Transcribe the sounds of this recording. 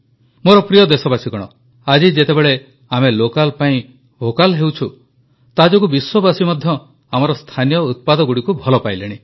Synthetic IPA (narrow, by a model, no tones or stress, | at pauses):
moɾɔpɾijɔd̪esɔbasikɔɽ̃ɔ̰ | ad͡ʒid͡ʒet̪ebeɭe | amelokalpaĩ | bʱokalɦewt͡ʃʰu | t̪ad͡ʒɔkubiswɔbasimɔd̪ʱjɔ | amɔɾɔst̪ʰanijɔut̪̚pad̪ɔɡuɽikubʱɔlɔpajleɽ̃i